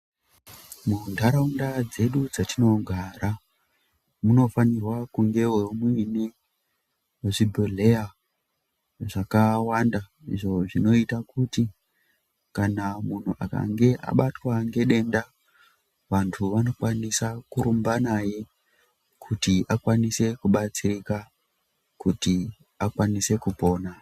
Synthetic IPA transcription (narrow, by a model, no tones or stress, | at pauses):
mundʱaɾaundad͡ze̞ɗud͡zatino̞ɡʱaɾa | muno̞fanirwakuŋɡe̞wemine | weʐibʱele̞ja | ʐakawanda | ḭʐo̞ʐino̞itakuti | kanamun̤uʔa̰ka̰ŋɡe̞ʔa̰ɓatwaŋɡe̞ɗe̞nda | ʋantʰuʋano̞kwanisakuɾumbanaje̞ | kʰutiakwanise̞kuɓat͡sirika | kuti | akwanise̞kupo̞ːna